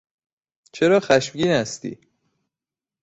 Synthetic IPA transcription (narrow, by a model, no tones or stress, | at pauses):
t͡ʃʰeɾɒːxæʃmɟiːnæst̪ḭː